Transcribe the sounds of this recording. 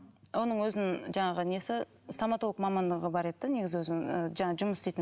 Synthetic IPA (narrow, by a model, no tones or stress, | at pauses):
wo̞nəɴwɵzɪnɪŋʒɑɴɑʁəne̞sɪ | samɑt̪oəqmɑmɑnd̪əʁəbɑɾe̞d̪ɪd̪ɪne̞ɡʲɪzɪwɵzɪəʒɑɴɑʒʊməsst̪ejt̪ɪ